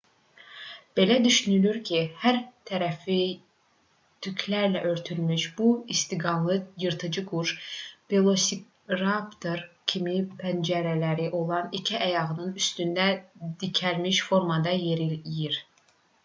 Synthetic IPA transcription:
b̥e̞læd̪yʃynylyɾcʰihæɾt̪ʰæɾæfi | t̪ʰykʰlæɾlæʔø̞ɾt̪ʰylmyʃb̥uist̪iɡɑnlˠɯjɯɾt̪ʰɯd͡ʒɯɡuɾʃpelˠosi | ɾɑpt̪ʰoɾcʰimipʰænd͡ʒæɾælæɾiʔo̞lˠɑnicʰiʔæjɑɣɯnɯnyst̪ynd̪æd̪icʰælmiʃfo̞ɾmɑd̪ɑjeɾijiɾ

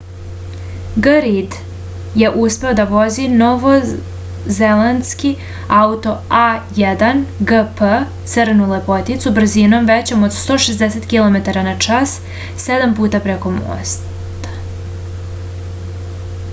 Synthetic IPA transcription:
ɡəɾid̪ | je̞ʔuspe̞o̞d̪aʋo̞zinoʋo̞ | zelanski | aut̪o̞ajed̪anɡəpə | t̪səɾnulepo̞t̪it̪subr̩zino̞mʋe̞t͡ɕo̞mod̪st̪o̞ːʃezd̪eset̪kilˠo̞me̞t̪aɾanat͡ʂas | se̞d̪ampuːt̪apɾe̞ko̞mo̰ːs | t̪ḁ

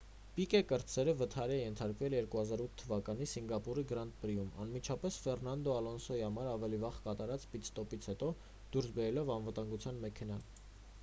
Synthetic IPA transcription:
pikɛkəɾt͡sʰɛɾəvət̪ʰɑɾɛɛjɛnt̪ʰɑɾkvɛljɛɾkuhɑzɑɾut̪ʰːəvɑkɑnisiŋɡɑpuɾiɡɾɑnt̪̚pɾijumɑ̰nmit͡ʃʰɑpɛsfɛrnɑnd̪ɔɑlɔnsɔihɑmɑɾɑvɛlivɑʁkɑt̪ɑɾɑt͡spit̪st̪ɔpit͡sʰhɛt̪ɔ | d̪̥uɾsbɛɾɛlɔvɑnvət̪ɑŋɡut͡sʰjɑnmɛkʰɛnɑl

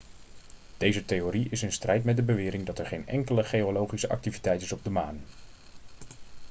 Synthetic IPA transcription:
d̥ejzətejoɾiɪsənstrɛjtmɛt̚dəbəʋɪːɾɪŋdɑtɛɹχejnɛ̰ŋkələχejolowχisəʔɑ̰k̚tivitɛjtɪsɔb̚dəmaːn

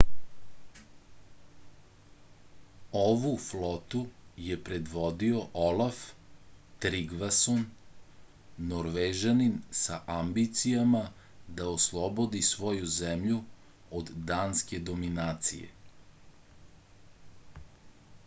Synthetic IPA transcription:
oʋuflot̪ujepɾe̞d̪ʋo̞d̪io̞ʔolaf | t̪ɾiɡʋason | oɾʋeʒaninsaʔambit̪sijama | d̪aoslˠobo̞d̪isʋo̞juzemʎu | od̪ːaːnske̞d̪ominaːt̪sḭjḛ

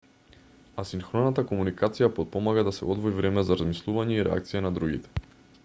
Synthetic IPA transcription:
asiŋxɾɔnat̪akɔmunikat̪sijapɔt̪̚pɔmaɡad̪asɛɔd̪vɔivɾɛmɛzaɾazmislˠuvaɲɛiɾɛ̰a̰k̚t̪sijɛnad̪ɾuɡḭt̪ɛ̥

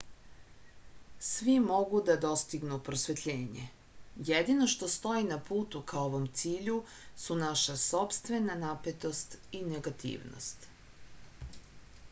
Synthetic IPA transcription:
sʋimo̞ɡud̪ad̪o̞st̪iɡnupɾosʋet̪ʎe̞ːɲḛ | jed̪ino̞ʃt̪ost̪o̞inapuːt̪ukʰaoʋomt̪siːʎu | sunaʃaso̞pst̪ʋe̞nanapet̪o̞st̪ineɡat̪ḭːʋno̰st̪

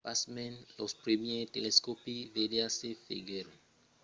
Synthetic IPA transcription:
pasmɛ̃nlɔspɾemieteleskopivedeasefḛɡeɾo

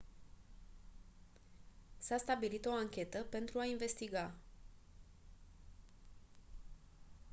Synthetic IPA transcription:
sast̪abilit̪o̞aŋkʲe̞t̪əpe̞nt̪ɾuainve̞st̪iɡa

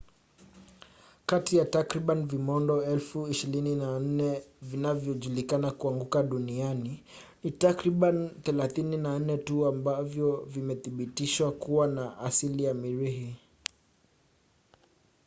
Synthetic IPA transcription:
katijatakɾiɓanvimɔndɔɛlfuiʃiɾininan̩nɛvinavjɔʄulikanakuaŋɡukaɗuniani | nitakɾiɓaniθɛlaθininan̩nɛtuambavjɔvimɛθiɓitiʃwakuwanaʔasilijamiɾiɦi

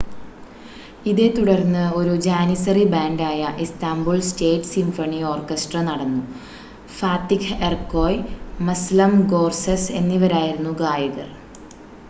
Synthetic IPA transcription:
iðe̞t̪uɽɐrnːɨo̞ɾud͡ʑaːnisɐribaːɳɖaːjɐʔist̪aːmbuɭsʈeːʈsimfɐɳio̞ːrkːesʈrɐnɐɽɐnːu | faːt̪ːikʰerko̞ːjmɐslɐmɡo̞ːrsɐse̞nːiʋɐɾaːjiɾunːuɡaːjɐɣɐr

